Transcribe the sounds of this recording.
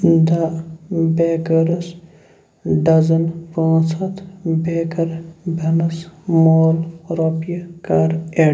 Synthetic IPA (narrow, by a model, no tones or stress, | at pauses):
d̪ɐbeːkɐɾɐs | ɖɐzɐnpãːsɐt̪beːkɐɾbʱɐnɐsmoːlɾoːpjɐkaːɾe